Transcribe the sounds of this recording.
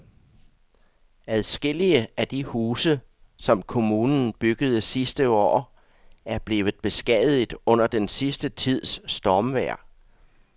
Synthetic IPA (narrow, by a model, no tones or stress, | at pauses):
æðˠsɡ̥e̝l̰iəæd̥ihuːsə | sɒ̽mkʰo̝muːnn̩b̥yɡ̥əð̞ˠəsisd̥əɒ̰ː | æɐb̥le̝ːʋð̩ˠb̥e̝sɡ̥ɛð̩ˠid̥ɔ̽n̰ɐd̥ensisd̥ət͡sʰið̞̰ˠsːd̥ɒːmʋæɐ̰